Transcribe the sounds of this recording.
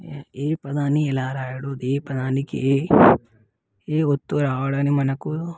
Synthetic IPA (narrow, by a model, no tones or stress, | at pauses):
eːpɐd̪aːniɛlaːɾaːjɐɽud̪eːpɐd̪aːnikḭeː | eːot̪ːuɾaːʋɐɽaːnimɐnɐku